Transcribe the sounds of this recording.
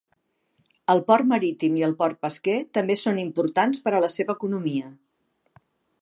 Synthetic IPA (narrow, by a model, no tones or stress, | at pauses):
əlˠpɔrməɾit̪imiəlˠpɔrt̪̚pəsket̪əmbesonimpuɾt̪anspəɾələseβəːkunumiə